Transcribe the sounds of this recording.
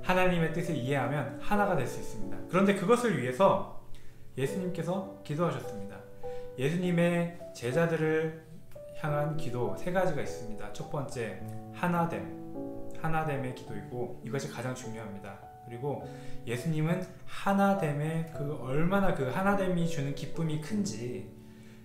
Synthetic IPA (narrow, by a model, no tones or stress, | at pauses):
hanaɲime̞t͈ɯsʰɯɭiɦe̞ɦamjʌnhanaɡadwe̞ɭs͈uis͈ɯmɲidakɯɾʌnde̞kɯɡʌsʰɯɭɥiɦe̞sʰʌ | je̞sʰuɲimk͈e̞s̬ʰʌkidoɦaɕ̬ʰʌs͈ɯmɲida | je̞sʰuɲime̞ | t͡ɕe̞d͡ʑadɯɾɯɭ | çjaŋɦankidosʰe̞ɡad͡ʑiɡais͈ɯmɲida̰t͡ɕʰot̚p͈ʌnt͡ɕ͈e̞hanade̞mhanade̞me̞ki̥doik͈oiɡʌɕʰikad͡ʑaŋt͡ɕuŋjoɦamɲida | kɯɾiɡo | je̞sʰuɲimɯnhanade̞me̞kɯʌɭmanakɯhanade̞mit͡ɕunɯnkip͈umikʰɯnd͡ʑi